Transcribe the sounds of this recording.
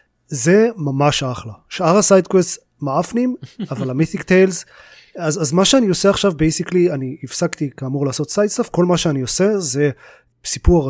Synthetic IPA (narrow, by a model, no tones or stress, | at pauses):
ze̞mamaʃaχlaʃaʁasajd̪kwest | maafnimavalamiθikt̪ejlz | azazmaʃeanioseaχʃavbejsiklianiːfsakt̪ikaːmuʁlaːso̞t̪sajd̪safko̞lmaʃeaniose̞ze | sipuʁ